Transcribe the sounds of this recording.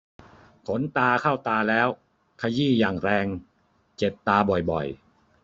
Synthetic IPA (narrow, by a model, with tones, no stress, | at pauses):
kʰo˩˦nt̪aː˧kʰa˥˩wt̪aː˧lɛː˦˥w | kʰa˧jiː˥˩jaː˨˩ŋɾɛː˧ŋ | t͡ɕe˨˩t̪ːaː˧bɔ˨˩jbɔ̰˨˩j